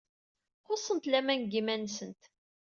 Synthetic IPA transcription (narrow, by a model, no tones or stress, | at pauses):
χosˤːənt̪læmænɡimænsənt̪